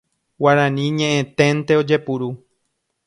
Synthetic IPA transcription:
waɾãnĩɲẽʔẽt̪ẽnt̪eo̞d͡ʒe̞puɾu

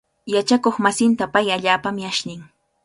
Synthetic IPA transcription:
jat͡ʃakoχmasɪnt̪apajaʎaːpamjaʃnɪŋ

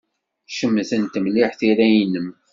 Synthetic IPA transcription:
ʃəmːθənt̪əmliħθiɾæjinəm

